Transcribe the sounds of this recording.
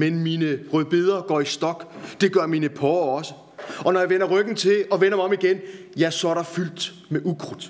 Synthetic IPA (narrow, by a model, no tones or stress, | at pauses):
menmiːnəʁœðˠb̥e̝ð̞̰ˠɐɡ̥ɒ̰ːisd̥ɒ̽ɡ̥d̥e̝ɡ̥ɶɐmiːnəpʰɒːɐɒ̽sə | ɒ̽nɒjɑ̈ʋen̰ɐʁœɡ̥n̩t͡sʰe̝ɒ̽ʋen̰ɐmɒ̽miɡ̥enjæsɒ̽æɐɾ̥ɑ̈fyl̰d̥ | meʔuɡ̥ʰʁud̥ˠ